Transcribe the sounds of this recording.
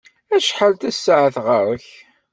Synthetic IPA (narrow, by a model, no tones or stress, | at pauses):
æʃħalt̪æsːəʕəθʁəɾˤəç